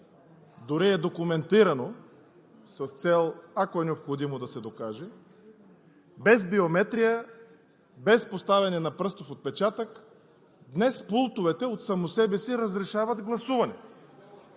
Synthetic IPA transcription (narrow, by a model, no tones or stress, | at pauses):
d̪ʊɾiɛd̪okʊmɛnt̪iɾɐno | sɐst̪sɛlˠakoɛnɛopxod̪imod̪ɐsɛd̪okaʒɛ | bɛzbiomɛt̪ɾijə | bɛspost̪avʲɛnɛnɐpɾɤst̪ofot̪̚pɛt͡ʃat̪ək | d̪nɛspulˠt̪ʊvɛt̪ɛot̪sɐmosɛbɛsiɾəzɾɛʃavɐd̪ɡlˠɐsuvɐnɛ